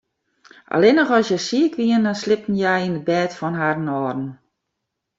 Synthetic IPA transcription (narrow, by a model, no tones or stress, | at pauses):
ʔa̰lenɔxɔsjɛsiəkʋiəndɔnslɪpn̩jɛjinəbɛːtfɔnɦadənɔːdn̩